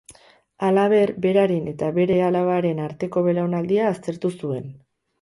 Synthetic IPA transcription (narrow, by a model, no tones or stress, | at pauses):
alaβ̞e̞ɾbe̞ɾaɾene̞t̪aβe̞ɾe̞alaβaɾe̞naɾt̪e̞ko̞βe̞ɾaonald̪iaːst̪e̞ɾt̪usue̞n